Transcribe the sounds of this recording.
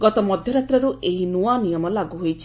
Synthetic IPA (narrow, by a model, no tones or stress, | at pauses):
ɡɔt̪ɔmɔd̪ʱjɔɾat̪ɾɔɾuʔeɦinuanijɔmɔlaɡuɦojt͡ʃʰi̥